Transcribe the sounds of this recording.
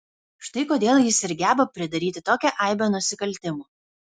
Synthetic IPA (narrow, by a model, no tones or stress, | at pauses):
ʃt̪ɐɪkoːd̪ʲeːlˠjɪsɪɾʲɡʲæːbɐpʲɾʲɪd̪ɐɾʲiːt̪ʲɪt̪oːkʲɛʔɐˑɪbʲoːnʊsʲɪkɐlʲˑt̪ʲɪmoː